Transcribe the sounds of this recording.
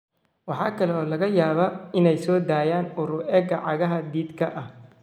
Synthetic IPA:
wɑħɑːkʰɐlɛɔːlɐɣɐjaːβɐɪnɛjsɔːd̪aːjaːnʊɾʊʔɛːɡɐʕɑɣɐɦɐd̪iːd̪kʰɐʔɐh

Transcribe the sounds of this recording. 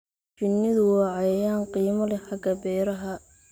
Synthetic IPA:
t͡ʃɪnːɪðʊwɑːʕɑjjaːnqiːmɐlɛħɑɡɐbɛːɾɐɦɐ

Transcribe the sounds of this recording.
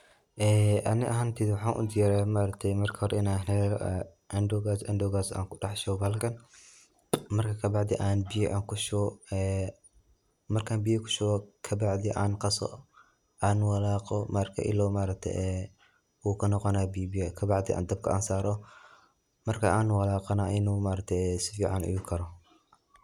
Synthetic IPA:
ʔɛːʔɐnɪʔɐɦaːnt̪ʰiːdwʊħɑːnʔʊ̰d̪ɪjaːɾɛjamaːɾɐk̚t̪ʰɛjmɐrkʰɐ̥hɔɾɛɪnaːnɛɾɔʔɛʔɐndɔɣaːsʔɐ̰ndɔɣaːsa̰ːŋkʰʊɖɑħʃɔwbɐlkʰɐn | mɐrkʰɐkʰɐbɑʕd̪ɪʔaːnbɪjɛʔaːŋkʰʊʃɛː | mɐrkʰaːnbɪjɐkʰʊ̥ʃʊɣɔkʰɐbɑʕd̪ɪʔaːnqɑsɔ̰ | ʔaːnwɐlaːqɔmaːɾɐkʰɐ̰ʔɪ̰lːɔmaːɾɐk̚t̪ʰɛ̰ʔɛ | uːkʰɐnɔqɔnaːbibijɛkʰɐbɑʕd̪ɪʔa̰ːnd̪ɐb̚kʰɐ̰ʔɐːnsaːɾɔ | mɐrkʰɐaːnwɐlaːqɐnaʔɪnuːmaːɾɐk̚t̪ʰɛɛsɪfiːʕɑnɪ̰jukʰɐɾɔ

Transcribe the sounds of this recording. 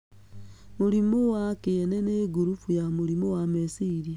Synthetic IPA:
muɾimowakeeneneɡuɾufujamuɾimowamesiɾia

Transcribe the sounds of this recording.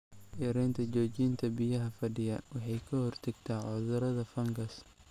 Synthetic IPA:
ʔɪɾɛːnt̪ʰɐt͡ʃɔːt͡ʃiːnt̪ʰɐbɪjɐɦɐfɐɖɪjɐwɑħɑjkʰɐhɔrt̪ʰɐɡt̪ʰaːʕʊðʊɾɐðɐfɐŋɡɐs

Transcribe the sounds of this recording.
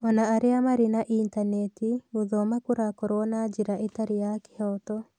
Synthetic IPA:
ɔnaːɾeamaɾinaʔintanetiuðɔmakuɾakɔɾwɔnad͡ʒiɾaʔetaɾijaki̥hɔtɔ

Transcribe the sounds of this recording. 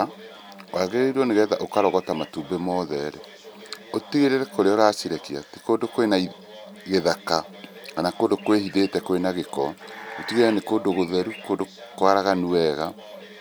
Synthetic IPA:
waɣeɾeiɾwɔneɣɛðaʔokaɾɔɣɔtamatuːbemɔðɛɾɛ | otiɣeɾeɾɛkoɾeoɾaːsiɾɛkia̰tekondokoenai | ɣeðaka | kanakondokwehiðetɛkoenaɣekɔotiɣeɾɛnekoːndoɣoðɛɾukondokwaɾaɣanuɛɣa

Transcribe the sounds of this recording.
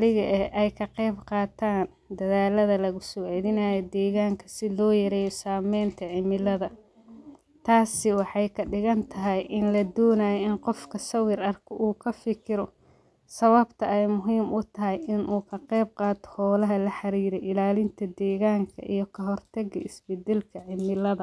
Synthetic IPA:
lɪɣɐʔɛʔɛjkʰɐqɛjbqɑːt̪ʰaːn | d̪ɐðaːlɐðɐlɐɣʊsɔʕɛðɪnaːjɔd̪ɛːɣaːŋkʰɐ̥sɪlɔːjɐɾɛːjɔsaːmɛjnt̪ʰɐʕɪmɪlɐðɐ | t̪ʰaːsɪwɑħɑjkʰɐɖɪɣɐnt̪ʰɐɦɐjʔɪnlɐd̪ɔːnaːjɔɪnqɔfkʰɐsɐwɪɾɐrkʰɔʔuːkʰɐfɪkʰɪɾɔ | sɐβɐbt̪ʰɐɛjmʊɦiːmʔʊt̪ʰɐɦɛjʔɪnʔuːkʰɐqɛjb̚qɑːt̪ʰɔ̥hɔːlɐɦɐlɐħɑɾiːɾɛʔɪlaːlɪnt̪ʰɐd̪ɛːɣaːŋkʰɐ̰ʔijɞkʰɐɦɔrt̪ʰɐɣɐɪsbɛd̪ɛlkʰɐʕɪmɪlɐðɐ

